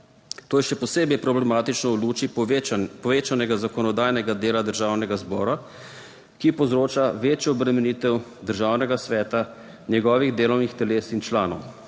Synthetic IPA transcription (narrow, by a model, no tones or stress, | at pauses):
t̪oːjɛʃɛpɔseːbɛjpɾɔblɛmaːt̪it͡ʃnɔɔluːt͡ʃipɔʋeːt͡ʃanɛɡazakɔnɔd̪aːjnɛɡad̪eːlad̪əɾʒaːwnɛɡazbɔːɾa | kipɔzɾoːt͡ʃaʋeːt͡ʃjɔɔbɾɛmɛniːt̪ɛwd̪əɾʒaːwnɛɡasʋɛːt̪a | njɛɡɔːʋiɣd̪eːlɔwnixt̪ɛleːsint͡ʃlaːnɔw